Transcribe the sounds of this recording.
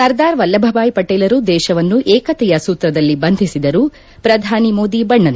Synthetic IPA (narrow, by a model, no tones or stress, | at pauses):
sɐɾd̪aːɾʋɐlːɐbʱɐbaːjpɐʈeːlɐɾud̪ɛːʃɐʋɐnːuʔɛːkɐt̪ɛjɐsuːt̪ɾɐd̪ɐlːibɐnd̪ʱisid̪ɐɾuː | pɾɐd̪ʱaːnimo̞ːd̪ibɐɳːɐnu